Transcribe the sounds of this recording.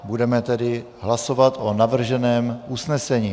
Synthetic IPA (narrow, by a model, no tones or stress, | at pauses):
budɛmɛt̪ɛdɪ | ɦlaso̞vat̪ʔonavr̩ʒɛnɛːmʔusnɛsɛɲiː